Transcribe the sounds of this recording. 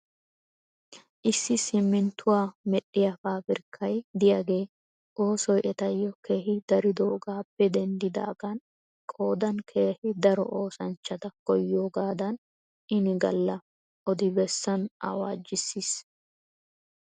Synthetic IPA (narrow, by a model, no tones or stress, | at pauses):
ʔɪsːɪsɪmːɪnt̪ʊwaːmɛɗːɪjafaːbɪɾkʰːɐjd̪ɪjaːɡe̞ː | ʔo̞ːsɔjʔɛt̪ɐjːɔke̞ːɦɪd̪̥ɐɾɪd̪oːɡaːpːɛd̪ɛnd̪ɪd̪a̰ːɡɐn | kʼo̞ːd̪ɐnkʰe̞ːhɪd̪ɐɾɔʔo̞ːsɐnt͡ʃːɐt̪ɐkɔjːoːɡaːd̪ɐn | ɪnɪɡɐ̰lːɐ | ʔɔd̪ɪbɛsːɐnɐ̰wa̰ːd͡ʒːɪsːiːs